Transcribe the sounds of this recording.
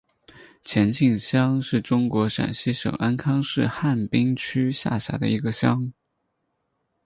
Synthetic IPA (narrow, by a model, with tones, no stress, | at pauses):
t͡ɕʰjɛ˧˥nt͡ɕi˥˩ŋɕjɑ˥ŋʂɻ̩˥˩ʈ͡ʂʊ˥ŋkwɔ˧˥ʂa̰˨˩nɕi˥ʂɤ̰˨˩ŋʔa˥nkʰɑ˥ŋʂɻ̩˥˧xa˥˩npi˥ŋt͡ɕʰy˥ɕja̰˥˩ɕja̰˧˥d̪ə̰˧i˧˥ɡə˧ɕjɑ˥ŋ